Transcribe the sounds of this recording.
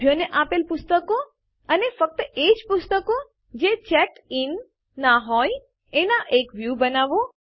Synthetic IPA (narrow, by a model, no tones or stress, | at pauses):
joneʔapelpʊst̪əko | ənefək̚t̪əʔed͡ʒpʊst̪əko | d͡ʒet͡ʃɛʈɪnː | aɦɔj | enaʔekʋjubənaʋo